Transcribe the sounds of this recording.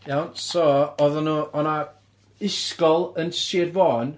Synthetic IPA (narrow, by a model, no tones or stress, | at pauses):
jawnsɔɔðɔnuːɔna | ɪskɔlˠənsiːrvɔːn